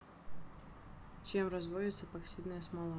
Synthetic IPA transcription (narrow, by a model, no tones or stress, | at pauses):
t͡ɕemrɐzvojʲɪt̪səpɐksʲid̪nəjəsmɐlˠa